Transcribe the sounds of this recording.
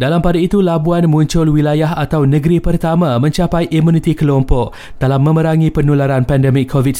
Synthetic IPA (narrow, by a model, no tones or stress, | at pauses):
dalampadait̪ulabuanmũɲt͡ʃʊlwilajaɦat̪awnəɡɾipərt̪amãmə̃ɲt͡ʃapajʔimũnit̪ikəlɔmpɔk̚ | d̥alamːə̃məɾaŋĩpənulaɾanpɛndɛmɪkʰːovit̚